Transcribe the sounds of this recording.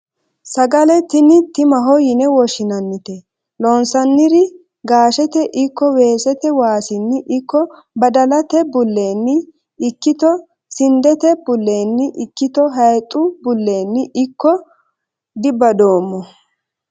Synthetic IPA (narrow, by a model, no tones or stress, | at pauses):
sɐɡɐlɛt̪ɪnɪt̪ɪmɐɦɔjɪnɛwɔʃɪnɐnːɪt̪ɛ | lɔnsɐnːɪɾɪ | ɡaːʃɛt̪ɛʔɪkːɔwe̞ːsɛt̪ɛwaːsɪnːɪʔɪkːɔ | bɐd̪ɐlɐt̪ɛbʊlːe̞ːnːɪː | kːɪt̪ɔ | sɪnd̪ɛt̪ɛbʊlːe̞ːnːɪʔɪkːɪt̪ɔɦɐjt̪ʼːʊbʊlːe̞ːnːɪʔɪkːɔ | d̪ɪbɐd̪o̞ːmːɔ